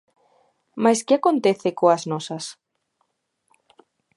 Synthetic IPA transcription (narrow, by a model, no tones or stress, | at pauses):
maskeakõnt̪eθekoaznɔsɐs